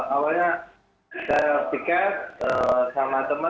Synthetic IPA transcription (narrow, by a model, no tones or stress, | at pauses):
ʔawaɲa | sajapikat̪əsamat̪əmə